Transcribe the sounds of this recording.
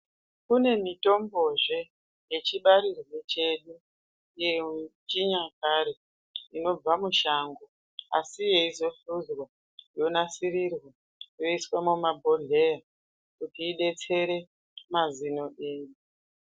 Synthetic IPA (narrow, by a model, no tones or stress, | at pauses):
kune̞mito̞mbo̞ʐe̞ | je̞t͡ʃiɓaɾirwe̞t͡ʃe̞ɗu | jet͡ʃiɲakaɾe̞ | ino̞b͡vamuʃaːŋɡo̞ | a̰sije̞izo̞ɬuzwa | jo̞nasirirwa | jo̞iswamumabʱo̞ɮe̞ja | kutiːɗe̞t͡se̞ɾe̞ | mazino̞ʔeːɗu